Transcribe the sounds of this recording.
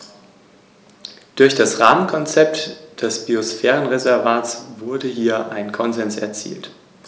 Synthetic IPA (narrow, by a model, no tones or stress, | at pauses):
d̥ʊɐçd̥asʁaːmənkʰɔnt͡sɛp̚td̥ɛsb̥iosfɛːʁənʁezɛɐvaːtt͡sv̥ʊɐdəɦiːɐʔaɪnkʰɔnzɛnsɛ̰ɐt͡sḭːlt